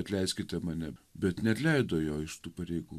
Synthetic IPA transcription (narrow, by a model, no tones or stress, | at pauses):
ɐt̪ʲlʲɛɪsʲkʲɪt̪ʲɛmɑnʲɛbʲɛt̪nʲɛɐt̪ʲlʲɛɪd̪oːjoːɪʃt̪uːpɐɾʲɛɪɡuː